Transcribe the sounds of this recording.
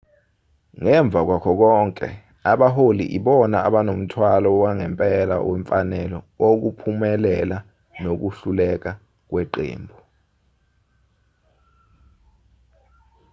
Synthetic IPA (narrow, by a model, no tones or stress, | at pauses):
ŋɛɱb̪vʱak̬wakʰɔk̬ɔŋkʼɛ̰ | aɓaɦolḭʔiɓɔnaaɓanom̩tʰwalɔwaŋɛmpʼɛla̰wɛɱfanɛlɔ | ok̬upʰumɛlɛla | nok̬uɬulɛk̬a | k̬weǃḛːmbʱɔ